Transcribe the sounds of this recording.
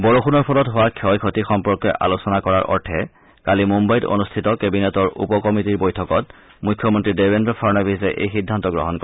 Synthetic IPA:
bɔɹoxunɔɹpʰɔlɔtɦowakʰɔjkʰotixɔmpɔɹkɔʔa̰losɔnakɔɹaɹʔɔ̰ɹtʰɛ | kalimumbajto̰nustʰitɔkebinetɔɹṵpɔkɔmitiɹbojtʰɔkɔt | mukʰːjɔmɔntɹidebendɹɔfʰɔɹnabizɛʔejxidʱːantɔɡɹɔ̰ɦɔnkɔ

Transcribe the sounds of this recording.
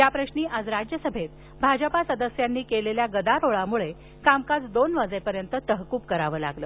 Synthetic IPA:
jjapɾəɕniːʔad͡zɾad͡ʑjəsəbʱet̪̚ | bʱad͡ʑəpasəd̪əsjanːiːkeleljaɡəd̪aɾoɭamuɭe | kamkat͡sd̪onʋəd͡zepəɾjənt̪ət̪əɦkuːp̚kəɾaʋəːla̰ɡləː

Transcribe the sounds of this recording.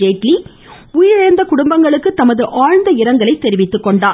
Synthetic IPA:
eːʈli | ʊjɪɾɐɐɾnd̪ɐkʊɽʊmbɐŋɡɐɭɯkːɯt̪ɐmɐðɯʔaːɻnd̪ɐɪɾɐŋɡɐɭɐɪt̪ːɛɾɪʋɪt̪ːɯkːɔɳɖaː

